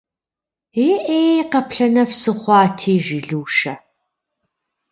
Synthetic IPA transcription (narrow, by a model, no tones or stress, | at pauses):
eʔeːqɐpɬɐnɐfsɨχʷɑːtʰiːʒiɮuːʃɐ